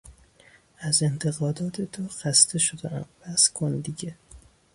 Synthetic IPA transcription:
æze̞nt̪ʰe̞ɣɒːd̪ɒːt̪ʰet̪ʰoxæst̪eʃod̪eʔæmvæskʰond̪iɟe

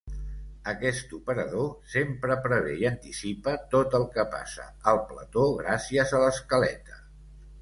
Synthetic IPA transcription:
əkɛst̪upəɾəðosempɾəpɾəβɛiənt̪isipət̪ot̪əlˠkəpa̰sə̰əlˠplə̰t̪oɣɾasiəzələskəlɛ̰t̪ə̥

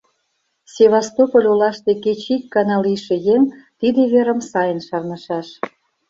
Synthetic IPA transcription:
sʲeβɑst̪opəlʲolɑʃt̪eket͡ɕikːɑnɑliʃĕjemt̪id̪eβeɾə̆msɑjənʃɑrnə̆ʃɑʃ

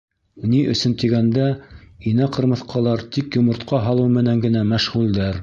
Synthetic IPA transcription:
niʔɵ̆sɵnt̪iɡænd̪æinæqɤ̆ɾmɤ̆θqʰɑlˠɑɾt̪ikjŏmɤ̆ɾt̪qɑɦɑlˠɤwmɘ̆næŋɡɘ̆næmæʃʁʉld̪æɾ

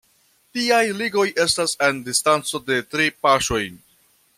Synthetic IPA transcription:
tiajliɡo̞jʔe̞stasendistant͡so̞de̞tɾipaʃo̞jn

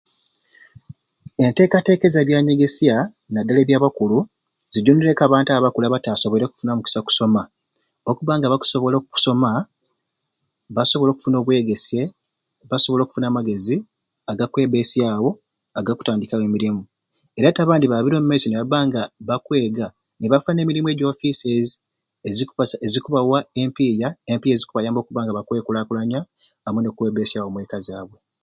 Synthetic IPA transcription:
e̞nte̞ːkate̞ke̞zeβjaːɲe̞ɡe̞sia | nadːaleβjaːβakulu | ziɟoniɾekaβaːntaβakulaβataːso̞βoɾeku̥funamuki̥saku̥so̞ma | okuβaːŋɡaβaku̥so̞βo̞lokuku̥so̞ma | βaso̞βo̞lo̞ːku̥funo̞ːβwe̞ːɡe̞se̞ | βaso̞βo̞lo̞ːku̥funaːmaɡe̞zi | aɡakwe̞ːβe̞ːsijaːwo̞ | aɡaku̥taːndikawe̞ːmiɾimu | e̞ɾataːβaːndiβaβiɾo̞ːmumesoneβaβaːŋɡaβakwe̞ːɡa | neβafuane̞miɾimue̞ːɟo̞ːfisezi | eziezikuβawae̞mpiːjaempiːjaezikuβajaːmbo̞ːkuβaːŋɡaβakwe̞ːkulaːkulaɲaː | mune̞kwe̞ːβesijaːwo̞mweːkazaːβwe̞

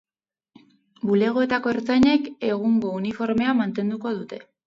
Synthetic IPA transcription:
bule̞ɣ̞o̞e̞t̪ako̞eɾt͡saɲe̞ke̞ɣ̞uŋɡo̞unifo̞ɾme̞amant̪e̞nd̪uko̞ðut̪e̞

